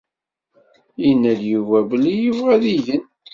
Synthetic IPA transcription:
inːæðjuvæbəlijəvʁæðiʝən

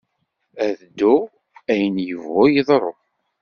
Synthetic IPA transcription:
æðd̪ːʊ | æjənjəvːʊjəðˤɾˤo

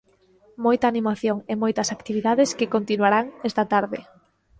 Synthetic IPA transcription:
mojt̪ɐːnimaθjoŋemojt̪ɐsakt̪iβiðaðeskɪkont̪inwaɾaŋɛst̪ɐt̪aɾðɪ

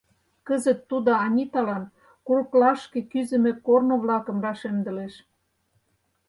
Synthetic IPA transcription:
kəzə̆t̪ːud̪oɑnʲit̪ɑlɑn | kuɾəklɑʃkĕkyzə̆mĕkornoβlɑkə̆mrɑʃemd̪ə̆leʃ

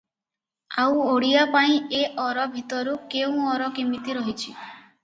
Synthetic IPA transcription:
awoɽiapaĩeʔɔɾɔbʱit̪ɔɾukeũɔɾɔkimit̪iɾɔɦit͡ʃʰi

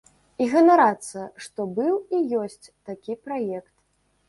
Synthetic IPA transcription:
iɣɐnaɾat̪sɐʂt̪ɔbɨwijɔsʲt͡sʲt̪akʲipɾajɛkt̪

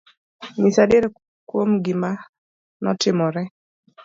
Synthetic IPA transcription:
nisadeɾɛ | kwomɡɪma | nɔ̰tɪmɔɾɛ

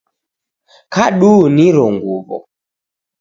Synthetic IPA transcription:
kaɗuniɾɔŋɡuβɔ̰

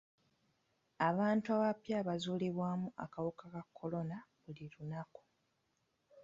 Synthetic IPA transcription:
aβaːntuaβapjaːβazuːleβwaːmuʔa̰kawukakakʰːo̞lo̞naβuliɾunaku̥

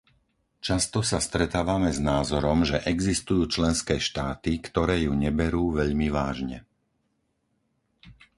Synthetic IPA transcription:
t͡ʃast̪ɔsast̪ɾɛt̪aːʋamɛznaːzɔɾɔmʒɛʔɛɡzist̪ujuːt͡ʃlɛnskɛːʃt̪aːt̪ikt̪ɔɾɛːjuɲɛbɛɾuːʋɛʎmiʋaːʒɲɛ̰

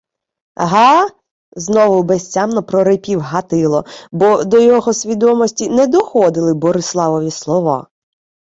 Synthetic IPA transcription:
ɦɑ | znɔʋʊbɛsʲt͡sʲamnɔpɾɔɾɪpʲiwɦɐt̪ɪlˠɔbɔd̪ɔjɔɦɔsʲʋʲid̪ɔmɔsʲtʲinɛd̪ɔxɔd̪ɪlˠɪbɔɾɪslˠɑʋɔʋʲislˠɔʋɑ̰

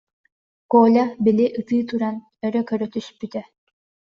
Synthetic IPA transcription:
koːlʲabiliʔɯt̪ɯːt̪uɾan | œɾœkœɾœt̪yspyt̪ɛ

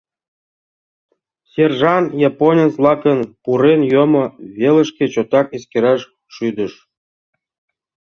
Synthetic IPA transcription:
sʲerʒɑnjɑponʲənslˠɑkənpuɾenjomŏβʲelə̆ʃkʲet͡ɕot̪ɑkeskʲeɾɑʃ | ʃyd̪ə̆ʃ

